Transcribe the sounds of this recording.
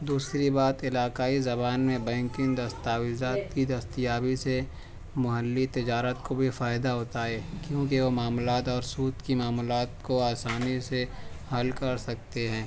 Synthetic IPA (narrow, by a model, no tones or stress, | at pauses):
d̪uːsɾibaːt̪ɪlaːkaːizɐbaːnmẽbɛ̃ːŋkɪ̃nd̪ɐst̪aːwɪzaːt̪kid̪ɐst̪jaːbise | mʊɦəlːit̪ɪd͡ʒaːɾət̪kobʱifaːɪd̪aɦoːt̪aːɦɛːkjõːkeʋomaːmlaːt̪ɔːɾsuːt̪kimaːmlaːt̪koaːsaːnise | hɐlkɐɾsɐk̚t̪eɦɛ̃ː